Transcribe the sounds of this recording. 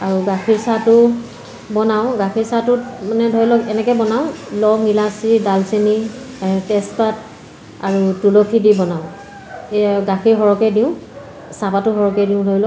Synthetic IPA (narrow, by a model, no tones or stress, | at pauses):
aɹuɡakʰiɹsatʊ | bɔnaw̃ɡakʰiɹsatʊtmanɛdʱojlɔkɛnɛkɛbɔnaʊlɔŋilasidalseni | tɛspat | aɹutulokʰidibɔnaʊ | ɡakʰiɹɦɔɹɔkɛdiʊ̃ | sapatʊɦɔɹɔkɛdiʊ̃dʱojlɔ